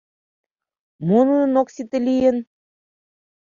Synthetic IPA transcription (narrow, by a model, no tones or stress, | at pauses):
monunoksit̪ɘ̆lʲijə̆n